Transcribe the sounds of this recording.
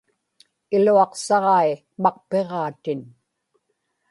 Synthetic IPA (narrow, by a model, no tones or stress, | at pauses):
ɪluɑqsɑʁɑi | mɑq̚pe̞ʁɑːt̪ɪn